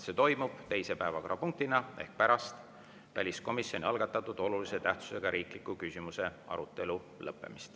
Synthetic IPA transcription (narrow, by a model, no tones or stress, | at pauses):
se̞ːt̪o̞jmub̥t̪e̞jse̞pæevɑko̞ɾɑpuŋk̚t̪inɑe̞̰hk̚pæɾɑst̪ | væ̰lʲisko̞misjo̞nʲiɑlɡ̥ɑt̪ːˑɑt̪ːˑud̪̥o̞lulise̞t̪æht̪su̥se̞ɡ̥ɑɾʔiːklikːˑukysʲimuse̞ɑ̰ɾut̪ːˑe̞lu | lɤpːe̞̰mist̪